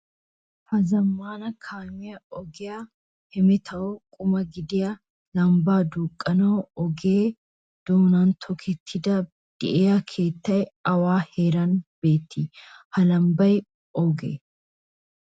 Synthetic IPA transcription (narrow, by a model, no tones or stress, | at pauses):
hɐzɐmːaːnɐkʰaːmɪjɐɔɡɪja | hɛmɛt̪ʰɐɔkʼʊmɐɡɪd̪ɪjɐ | lɐmbaːd̪uːkʼːɐnɐwɔɡeː | d̪̥oːnant̪ʰɔkʰɛt̪ʰːɪd̪ɐ | d̪̥ɪʔejɐkʰe̞ːt̪ːɐjɐwaːhe̞ːɾɐnb̥e̞ːt̪ːihɐlɐmbɐj | ɔɡḛ